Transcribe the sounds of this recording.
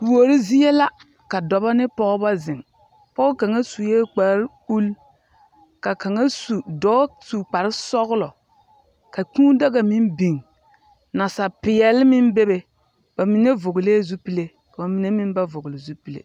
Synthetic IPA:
u˨wo˨ɾɪ˦zi˦e˦la˦ | ka˨dɔ˨ba˦nɪ˦pɔ˦ɣba˦zɪ˨ŋ | pɔ˦kka˨ŋa˦su˨jeː˦k͡pa˨ɾ | u˦l | ka˨ka˨ŋa˦su˨dɔː˨˦su˨k͡pa˨ɾɪ˦sɔ˦ɣʊ˦lɔ˨ | ka˨kũː˦da˦ɣa˨mi˦n˦bi˨ŋ | na˨sa˨pɪ˨jɛ˨lɪ˦mɪ˦nbe˦be˨ | ba˨mi˨ne˦vʊ˨ɡleː˦zu˦pi˦le˦ | ka˨ba˨mi˨ne˦mɪ˦n˦ba˦vʊ˨ɡlɪ˨zu˦pi˨lḛ˨

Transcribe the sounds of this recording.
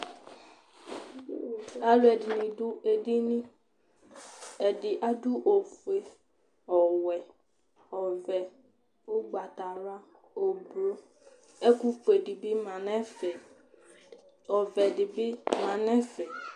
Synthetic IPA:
a˦lo˦ɛ˨dɪ˨nĩ˨du˦e˨di˦nĩ˦ | ɛ˨dɪ˨ʔa˦du˦ʔo˨fu˨e˨ | ɔ˨wɛ˨ | ɔ˨vɛ˨ | o˦ɡ͡ba˨t̪a˨ɾa˦ | o˨bo˦ | e˦ku˦k͡pe˨di˨bi˦mã˨nɛ˦fɛ˨ | ɔ˨vɛ˨di˨bi˦mã˨nɛ̃˦fɛ˨

